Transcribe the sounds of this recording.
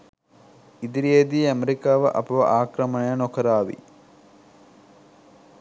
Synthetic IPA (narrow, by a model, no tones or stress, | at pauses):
id̪iɾied̪iːɐmeɾikaːʋɐʔɐpɐʋɐ̰ʔaːkɾɐmɐnɐjɐnokʰɐɾaːʋḭ